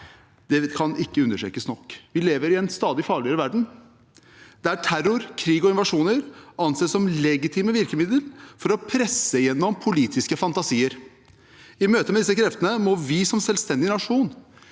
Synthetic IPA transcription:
d̪̥ɛkʰɑnɪkːəʉnəʈɾḛːkəsnɔkːʋɪleːʋəɾɪɛnst̪ɑːd̪ɪfɑːɭɪəɾəʋæɖɳ̩ | d̪̥ɛæʈʰæɾʊɾkʰɾiːɡɔɪnʋɑʂuːnəɾɑnseːsɔmlɛɡɪt̪ʰɪːməʋɪɾkəmɪd̪əlfɔɾɔpʰɾɛsːəjɛnːɔmpʰʊliːt̪ʰɪskəfɑnt̪ɑsiːəɾ | ɪmøːt̪əmɛd̪ɪsːəkʰɾɛft̪ənəmɔʋɪsɔmsɛlst̪ɛnd̪ɪnɑʂuːn

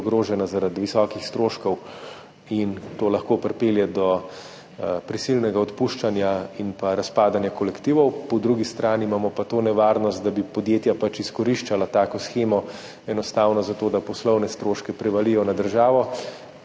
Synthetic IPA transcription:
ɡɾoːʒɛnazaɾad̪ʋisɔːkixst̪ɾoːʃkɔw | int̪oːlɐxkoːpɾpeːljɛd̪ɔ | pɾisilnɛɡaɔt̪puːʃt͡ʃanjainpaɾaspaːd̪anjakɔlɛkt̪iːʋɔwpɔd̪ɾuɡist̪ɾaːnimaːmɔpat̪oːnɛʋaːɾnɔst̪̚d̪abipɔd̪jeːt̪japat͡ʃiskɔɾiʃt͡ʃalat̪aːkɔsxeːmɔ | ɛnɔst̪aːwnɔzat̪oːd̪apɔslɔwnɛst̪ɾoːʃkɛpɾɛʋalijɔnad̪əɾʒaːʋɔ

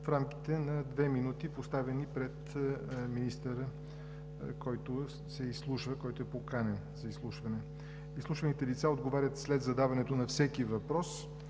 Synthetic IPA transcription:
fɾamki̥t̪ɛnɐd̪vɛminut̪ipost̪avɛnipɾɛt̪minist̪əɾə | kɔjt̪ʊ | sɛislˠuʃvəkɔjt̪oɛpokanɛnzɐislˠuʃvɐnɛ | islˠuʃvɐnit̪ɛlit̪saod̪ɡovaɾʲət̪slɛd̪zɐd̪avɐnɛt̪onɐfsɛkivɐpɾɔs

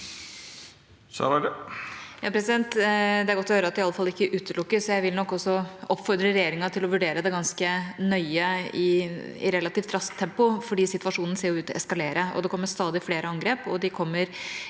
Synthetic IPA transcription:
sɑ̰ | jɑːpʰɾɛsɪd̪ɛnt̪d̪ɛæɾɡɔt̪ːɔhøːɾəɑt̪d̪ɪɑlːəfɑlːɪkːəʔʉːt̪əɭʊkːəsɔjæɪʋɪlnɔkːɔsːɔɔpːfɔɾd̪ɾəɾɛjeːɾɪŋɑt̪ʰɪlɔʋʉɖeːɾəd̪ɛɡɑnskənœʏəɪɪ̰ɾɛlːɑt̪iːft̪ʰɾɑst̪ʰːɛmpʊfɔɖiːsɪt̪ʋɑʂuːnn̩seːɾjʊʉːt̪ɛskɑleːɾəʔɔ̰d̪ɛkʰɔmːəst̪ɑːd̪ɪfleːɾəɑŋɡɾeːpɔd̪ɪkʰɔmːəɾ

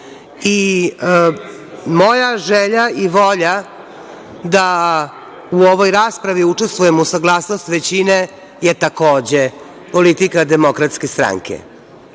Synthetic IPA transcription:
i | mo̞jaʒeʎaiʋoʎa | d̪a | uoʋo̞jɾaːspɾaʋiut͡ʂest̪ʋuje̞musaɡlˠaːsno̞st̪ʋet͡ɕine̞ | jet̪ako̞ːd͡ʑe | po̞lit̪ikad̪emo̞kɾat̪ske̞st̪ɾa̰ŋkʰḛ

